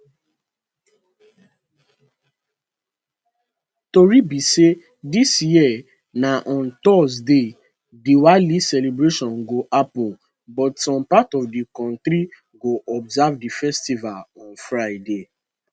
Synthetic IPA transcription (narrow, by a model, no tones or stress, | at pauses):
toɹibise | disjiɛ | naʔɔ̃ntɔsde | diwalisɛlebɹeʃɔ̃nɡoʔapɔ̃n | bɔtsɔ̃mpatɔfdikɔ̃ntɾi | ɡoʔɔbzavdifɛstivalɔ̃nfɹaɪde